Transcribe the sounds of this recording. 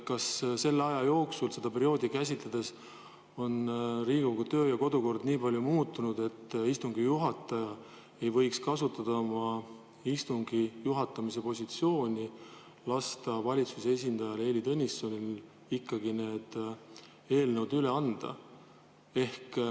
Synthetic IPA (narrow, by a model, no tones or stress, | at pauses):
kɑsse̞lːeɑjɑjo̞ːksulse̞d̪ɑpe̞ɾio̞ːd̪̥ikæsʲit̪ˑlæd̪̥e̞s | o̞nriːɡ̥oɡ̥ut̪ø̞ːjɑko̞d̪uko̞rd̪̥niːpɑlʲjumuːt̪ːˑunud̪̥e̞t̪ːist̪uŋɡ̥ijuɦɑt̪ːˑɑjɑ | e̞jvɤ̞jkskɑsut̪ːˑɑd̪̥mɑ | ist̪uŋɡ̥ijuɦɑt̪ːˑɑmis̬e̞po̞sʲit̪sio̞ːnʲi | lɑst̪ɑvɑlʲit̪susee̞s̬ʲind̪̥ɑjɑle̞ːlit̪ɤnʲisːo̞nʲil | ikːɑɡine̞ːd̪̥ | e̞ːlnəwd̪yle̞ɑnd̪̥ɑ̰ | e̞hk